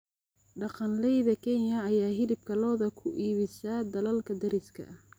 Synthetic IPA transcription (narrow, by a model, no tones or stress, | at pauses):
ɖɑqɑnlɛjðɐkʰɛnjɐːjaːɦɪlɪb̚kʰɐlɔːðɐkʰʊʔiːβɪsaːd̪ɐlɐlkʰɐd̪ɐɾɪskʰɐ̰